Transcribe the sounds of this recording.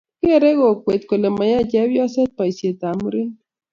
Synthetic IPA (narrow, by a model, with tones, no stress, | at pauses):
ke˦˨ɾe˦ɣo˨kwe˨t̪ko˨le˨ma˨ja˦t͡ʃɛ˦wjɔ˦se˦t̪̚pa˨i˨sje˨t̪a˨mu˦ɾe˦n